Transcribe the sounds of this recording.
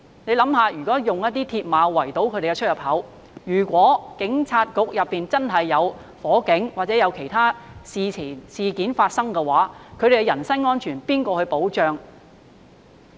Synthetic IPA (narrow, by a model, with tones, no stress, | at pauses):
ne˨˧jlɐ˨˥mhaː˨˧jyː˨˩kɔː˨˥jʊ˨ŋjɐ˥t̪̚ːiː˥t̪ʰi˧t̚maː˨˧wɐ˨˩jt̪o˨˥wkʰɵ˨˧ɥɾe˨˩kɛ˧t͡ʃʰt̚jɐ˨˩p̚hɐ˨˥w | jyː˨˩kʷɔː˨˥kɪ˨˥ŋt͡sʰaː˧t̚kʊ˧k̚jɐ˨pːiː˨nt͡sɐ˥nɦɐ˨jːɐ˨˧w | fɔː˨˥kɪ˨˥ŋwaː˨t̚t͡sɛː˨˥jɐ˨˧wkʰe˨˩jt̪ʰaː˥siː˨iː˨˩siː˨kiː˨˥nfaː˧t̚sɐ˥ŋkɛ˧waː˨˥kʰɵ˨˧ɥd̪e˨˩kɛ˧jɐ˨˩nsɐ˥nŋɔː˥nt͡ʃʰyː˨˩npiː˥nkʷɔː˧hɵ˧ɥpo˨˥wt͡ʃœː˧ŋ